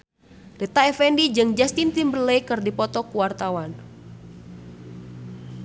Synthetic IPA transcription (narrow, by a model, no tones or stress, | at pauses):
rɛt̪aɛfɛndid͡ʒɨŋd͡ʒast̪int̪imbəlejkɨrdipɔt̪ɔkuwart̪awan